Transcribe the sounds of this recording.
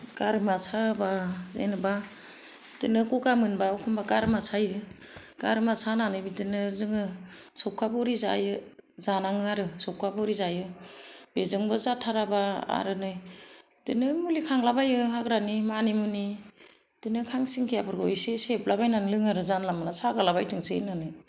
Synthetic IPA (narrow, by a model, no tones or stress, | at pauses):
kaɾmasabazḛnɯba | tɯnɯkɔkamɯnbaɔkʰɔmbakaɾmasajɯ | kaɾmasananɯbitɯnɯzɯŋɯsɔp̚kʰːabɔɾiza̰jɯ | zanaŋɯaɾɯsɔkʰabɔɾizajɯb̥ezɯŋbɯzatʰaɾabaa̰ɾɯnɯj | tɯnɯmulikʰaŋlabajɯɦaɡɾanimanimuni | tɯnɯkʰaŋsiŋkʰijabʰɯɾɡɔjsesep̚labajnanlɯŋaɾɯzanlamalasaɡalabajtʰɯŋsenanɯj